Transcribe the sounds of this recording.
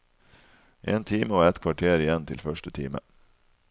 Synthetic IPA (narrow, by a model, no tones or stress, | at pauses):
ʔḛːnt̪ʰiːməoːɛt̪kʰʋɑʈʰeːɾɪjɛnt̪ʰɪlfœʃʈət̪ʰiːmə̰